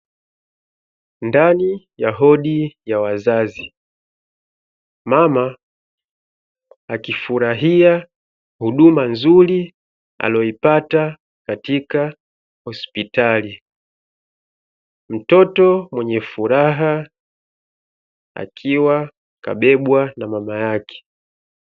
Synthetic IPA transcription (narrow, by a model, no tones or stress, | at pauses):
ndani | jaɦɔɗijawazazi | mama | akifuɾaɦia | huɗumanzuli | a̰lɔipata | katika | hɔspitali | m̩tɔtɔmwɛɲɛfuɾaɦa | a̰kʰiwa | ka̰ɓɛɓwanamamajakʰɛ̥